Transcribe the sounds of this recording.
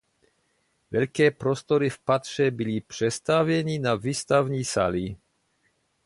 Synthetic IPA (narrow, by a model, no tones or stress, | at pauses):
vɛʎkɛːpɾost̪oɾifpat̪ʂɛbilipr̝̥ɛst̪avjɛɲinaviːst̪avɲiːsa̰li